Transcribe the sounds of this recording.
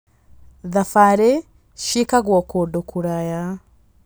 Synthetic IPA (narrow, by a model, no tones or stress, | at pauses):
ðafaɾe | ʃikaɣwɔkodokʰuɾaja